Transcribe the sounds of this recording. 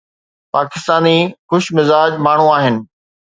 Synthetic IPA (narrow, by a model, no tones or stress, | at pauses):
paːkɪst̪aːnixʊʃmɪzaːd͡ʑmaːɳ̤uaːɦɪnɪ̆